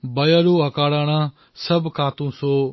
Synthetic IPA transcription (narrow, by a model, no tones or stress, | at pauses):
bɐjaɾoːɐkaːɽaɽ̃a | sɐbkaːt̪ũːsoː